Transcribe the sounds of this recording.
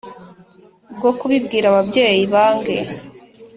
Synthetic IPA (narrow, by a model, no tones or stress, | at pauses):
bɡo̞kuβibɡiːɾaβabɟe̞ːjiβaːŋɡḛ